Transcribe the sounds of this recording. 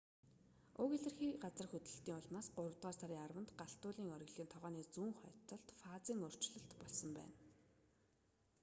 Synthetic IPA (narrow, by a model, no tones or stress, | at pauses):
ʊɣeɮɘ̆rxiːɢat͡sə̆rxɵt̪ɮə̥̆ɬt̪iːŋʊɮmaːsɢʊɾə̆wt̪ʁaːrsaɾʲiːŋarwə̆nt̪ɢaɬt̪ʊːɮiːŋœɾʲɪ̆ɣɮiːnt̪ʰɔʁœːniːt͡suːŋχɔt͡s̪ɞ̆ɬt̪faːt͡siːŋɵr̥t͡ɕɮɞ̆ɬt̪pɔɮsɞ̆mpæ̰ːn